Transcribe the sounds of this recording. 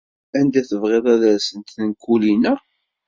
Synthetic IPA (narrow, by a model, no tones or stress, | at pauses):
ænd̪æθəvʁeðˤæðæɾsənt̪nkːulinæ